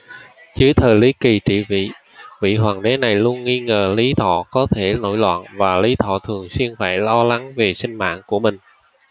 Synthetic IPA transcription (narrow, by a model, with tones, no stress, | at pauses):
t͡ɕɨ˨˦t̪ʰəː˨˩jli˨˦ki˨˩t͡ɕḭ˧˨vḭ˧˨ | vḭ˧˨ɦwaː˨˩ŋɗe˨˦na˨˩jlu˧ənːi˧ŋəː˨˩li˨˦t̪ʰɔ̰˧˨kɔ˨˦t̪ʰe˧˩no̰˧˩jlwa̰ː˧˨nvaː˨˩li˨˦t̪ʰɔ̰˧˨t̪ʰɨ˨˩əŋswi˧ənfaː˧˩jlɔ˧la˨˦ŋve˨˩sï˧ŋ̟ma̰ː˧˨nku˧˩əmï˨˩ŋ̟